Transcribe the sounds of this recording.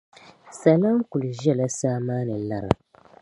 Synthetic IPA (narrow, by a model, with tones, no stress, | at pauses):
sa˨la˦ŋ˦ku˨lu˨ʒɛ˦˨la˦saː˦maː˦nɨ˨˦la˦˨ɾa̰˨